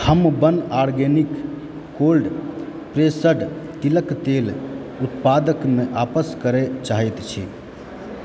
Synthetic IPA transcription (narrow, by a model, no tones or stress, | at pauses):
həmbənaɾɡenikː | olɖ | pɾesəɖt̪iləkt̪el | ut̪pad̪əkmeʔapəskəɾet͡ʃaɦɛt̪t͡ʃʰi